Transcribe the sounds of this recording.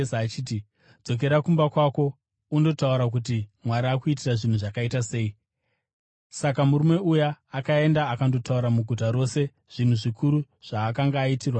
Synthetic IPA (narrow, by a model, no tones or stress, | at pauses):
saːt͡ʃiːt̬i | d͡zo̞k̬e̞ɾakumbakwako̞ | undo̞tauɾak̬ut̬imwaɾaːkuit̬iraʐin̤uʐakaitase̞i | sakamuɾume̞ujaːkae̞ndaːkando̞tauɾamuɡʱutaɾo̞se̞ | ʐ̥in̤uʐikʰuɾu | ʐ̥aːkaŋɡaːitirwa